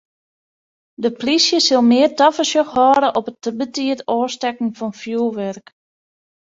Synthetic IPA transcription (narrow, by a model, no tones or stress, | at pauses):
dəplisjəsɪlˠmɪərtɑfəsjəxhɔːɾəʔɔpətəbətiətoːstɛkn̩fɔnfjuːʋɛrk